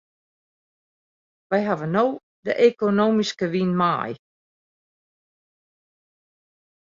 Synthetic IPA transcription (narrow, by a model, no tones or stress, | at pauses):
ʋɛjɦavənoː | də̰ʔekonoːmiskəʋinma̰j